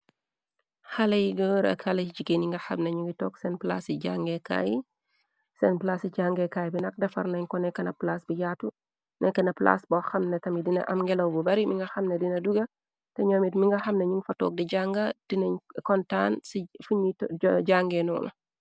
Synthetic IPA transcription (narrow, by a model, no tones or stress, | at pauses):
xɐlɐjiɡəəɾɐ̰khɐlɐd͡ʒikeniŋɡɐxɐmnɐɲuŋɡitɔːksɛnpla̰siɟaŋɡɛka̰j | sɛnplaːsit͡ʃaːŋɡɛkaːjbinɐk̚dɐfɐ̰ɾnɐɲkɔnɛkːɐnɐplasbijaːtu | nʔɛkːɐnɐpla̰sbɔxɐmnɛtɐmidinɐ̰ʔɐmŋɡɛlɐwbɔbɐɾimiŋɡɐxɐmnɐdinɐduɡɐ | tɛɲoːmitmiŋɡɐxɐmnɐɲuŋɡfɐtɔ̰ːk̚dɛɟaŋɡɐd̥inɐɲkɔntansifuɲitɟaŋɡɛnɔ̰ːlɐ̰